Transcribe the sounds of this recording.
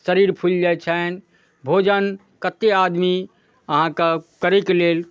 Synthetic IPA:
səɾiɾpʰuld͡ʒajt͡ʃʰɛn | bʱod͡ʒən | kət̪ːead̪mi | əɦãkəkəɾeklel

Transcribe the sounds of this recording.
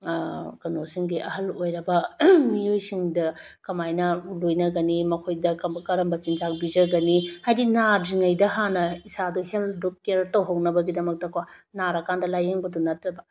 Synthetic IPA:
kɐnosiŋɡiʔɐɦɐlojɾɐbɐmiojsiŋdɐ | kɐmajnɐlojnɐɡɐnimɐkʰojdɐkkɐɾɐmbɐt͡ʃinzak̚bid͡ʒɐɡɐnihajdinad͡ʒiŋɐjdɐɦanɐisaduheldok̚ːeɾtɐwɦɐwnɐbɐɡidɐmɐk̚tɐkwanaɾɐkandɐlajeŋbɐdunɐtːɾɐbɐ

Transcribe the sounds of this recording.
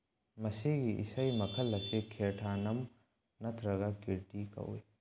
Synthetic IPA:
mɐsiɡiʔḭsɐjmɐkʰɐlːɐsikʰeɾʈʰanɐm | nɐt̪ʰɾɐɡɐkiɾʈikɐ̰wḭ

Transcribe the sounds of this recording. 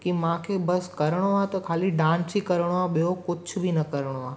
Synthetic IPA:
kimãkʰebəskəɾɽ̃oat̪ɐkʰaːliɖãːnsikəɾɽ̃oaɓijokʊt͡ʃʰbʱinɐkəɾɽ̃oaː

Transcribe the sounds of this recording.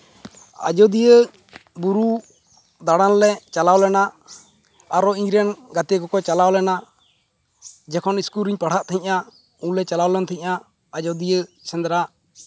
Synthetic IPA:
a̰d͡ʒɔd̪ijə | buɾu | d̪aɽanlɛt͡ʃalawlɛnaː | ɾɔiɲɾɛnɡat̪ɛkɔkɔt͡ʃalawlɛna | d͡ʒɛkʰɔniskuɾiɲpaɽ̤aʔt̪ʰɛɦĩɲʔa | ũɲlɛt͡ʃalawlɛnt̪ʰɛɦiɲʔa | ad͡ʒɔd̪ijəsɛ̃nd̪ɾaʔ

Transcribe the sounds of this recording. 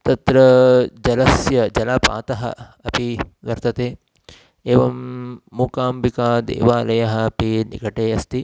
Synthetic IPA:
t̪ɐt̪ɾɐd͡ʒɐlɐsjɐd͡ʒɐlaːpa̰ːt̪ɐɦɐ̰ | ɐpiʋɐɾt̪ɐt̪eː | eːʋɐmːuːkaːmbikaːd̪ḛːʋaːlɐjɐɦɐ̆ɐpinḭkɐʈeːɐst̪i

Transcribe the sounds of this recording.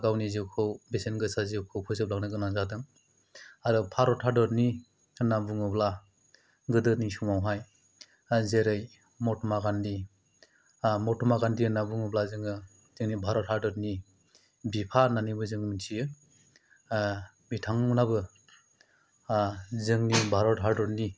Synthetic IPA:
ɡawniziwkʰɯwbesenɡɯsazewkʰɯwpʰɯzɯp̚lak̚nɯɡɯnazadɯŋ | aɾɯpʰaɾɔtʰaɾdɔɾni | nabuŋɯbla | ɡɯdɯnisuŋmawɦaj | zeɾɯj | mɔtʰɔmaɡandi | mɔtʰɔmaɡandiɯnabuŋɔblazɯŋɯ | zɯŋnibʱaɾɔtʰaɾdɔɾni | bipʰananibɯzɯŋminsʰijɯ | mitʰaŋnabɯ | zɯŋnibʱaɾɔtɦaɾdɔɾni

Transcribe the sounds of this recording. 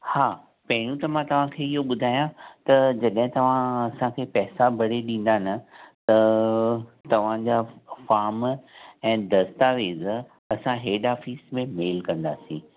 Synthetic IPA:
haː | pɐɦɪɾjũt̪ɐmãt̪ɐʋ̤ãkʰeːɪɦoɓʊd̪ʱaːjãt̪ɐd͡ʑɐɗɦɪ̃t̪ɐʋ̤ãɐsãkʰeːpɛːsabʱɐɽeɗĩːn̆d̪anɐt̪ɐ | t̪ɐʋ̤ãd͡ʑafaːɾmɛ̃ːd̪ɐst̪aʋeːz | ɐsãɦeːɖaːfiːsmẽmeːlkɐ̃nd̪a̰ːsĩː

